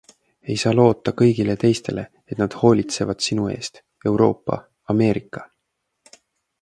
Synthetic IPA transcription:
e̞jsɑːlo̞ːt̪ːˑɑkɤ̞jɡ̥ile̞t̪e̞jst̪e̞̰lʔe̞ | et̪ˑnɑd̪̥ho̞ːlʲit̪se̞vɑd̪̥sinue̞̰ːst̪ | e̞wɾo̞̰ːpːɑ̰ | ɑme̞ːɾikːˑɑ

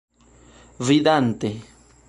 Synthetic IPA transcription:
βiðant̪e

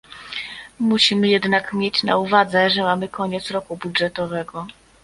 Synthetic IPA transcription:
muɕimɘjɛd̪nakmʲjet͡ɕna̰uvad̪zɛʐɛmamɘkɔɲɛt̪sɾɔkubudʐɛt̪ɔvɛɡɔ

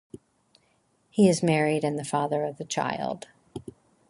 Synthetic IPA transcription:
hiɨzmɛɹiɾɨ̃nðɨfɑðə˞ʌvðɨt͡ʃʰa̰ɪlˠd̥

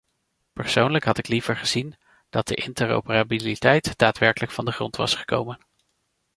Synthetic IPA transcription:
pəɹsownləkɦɑtɪklivəɹχəzin | d̥ɑt̚də̰ʔɪntəɹo̰wpərabilitɛjtd̥aːtʋɛɹkələkfɑndəχrɔntʋɑ̰sχə̥kowmən

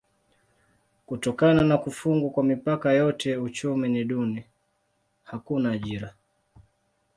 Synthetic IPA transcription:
kutɔkananakufuŋɡukwamipakajɔtɛut͡ʃuminiɗuni | hakunaːʄiɾa

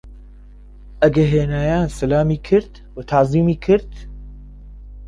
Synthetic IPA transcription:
ʔɐɡɐɦeːnaːjaːnsɐlaːmiːkʰɨɾt̪ | wət̪ʰaziːmiːkʰɨɾt̪

